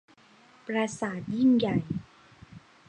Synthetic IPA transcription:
pɾa˧saː˨˩˦t̪̚ji˥˩ŋja˨˩j

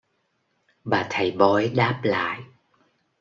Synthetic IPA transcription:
ɓaː˨˩t̪ʰə˨˩jɓɔ˨˧˦jɗaː˦˥p̚la̰ː˧˨j

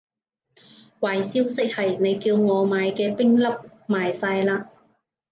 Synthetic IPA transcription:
waː˨jsiː˥wsɪ˥k̚hɐ˨jne˨˧jkiː˧wŋɔː˨˧maː˨˧jkɛː˧pɪ˥ŋlɐ˥p̚ | maː˨jsaː˧jlaː˧

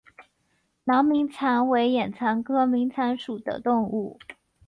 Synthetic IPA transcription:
nɑ˧˥ŋmi˧˥ŋt͡sʰa˧˥nwe˧˥ɪjɛ˨˩nt͡sʰa˧˥nkʰɤ˥mi˧˥ŋt͡sʰa˧˥nʂu˨˩d̪ə̰˦t̪ʊ˥˧ŋu˥˩

